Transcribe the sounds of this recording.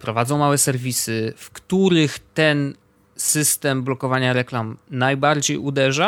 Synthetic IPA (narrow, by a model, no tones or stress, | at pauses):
pɾɔvad̪zɔ̃w̃mawɛsɛɾvʲisɘfkt̪uɾɘxt̪ɛn | sɘst̪ɛmblɔkɔvaɲaɾɛklamnajbaɾd͡ʑejud̪ɛʐa